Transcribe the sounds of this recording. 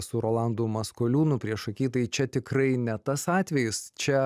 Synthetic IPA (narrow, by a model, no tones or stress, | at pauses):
sʊɾoːlˠɑˑnd̪ʊmɐskoːlʲuːnʊpʲɾʲiɛʃɐkʲiːt̪ɐɪt͡ʃʲɛt̪ʲɪkɾɐɪnʲɛt̪ɐsɑːt̪ʲʋʲɛjɪst͡ʃʲɛ